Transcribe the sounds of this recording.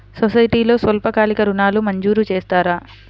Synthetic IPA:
sosɐjʈiːlo̞ːsʋɐlpɐkaːlikɐɾunaːlumɐɲd͡ʒuːɾut͡ʃeːst̪aːɾaː

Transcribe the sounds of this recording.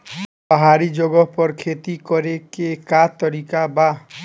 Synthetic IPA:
bɔɦaɾid͡ʒoɡɔpɔɾkʰet̪ikɔɾekekat̪ɔɾikaba

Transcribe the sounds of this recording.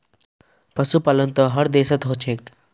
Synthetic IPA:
pɐsupaːlənt̪ɔɦɐɾd̪eːsət̪ɦot͡ʃʰeːk

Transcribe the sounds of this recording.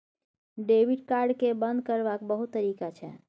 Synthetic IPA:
ɖebiɖkaɾɖkebənd̪̚kəɾbakbəɦut̪ːəɾikat͡ʃʰɛ̰

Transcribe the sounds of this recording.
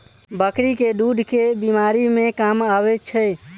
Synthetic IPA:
bəkɾiked̪ud̪ʱkebimaɾimẽkamabɛt͡ʃʰɛ

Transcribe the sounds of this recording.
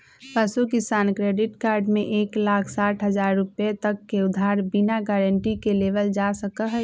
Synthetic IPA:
pəsukɪsaːnkɾeɖɪʈkaːɾɖmẽʔeːklaːkʰsaːʈʰɦəd͡ʒaːɾːʊpet̪əkːeʊd̪ʱaːɾbinaɡɛɾəɳʈikeleʋəld͡ʒasəkəɦɛ

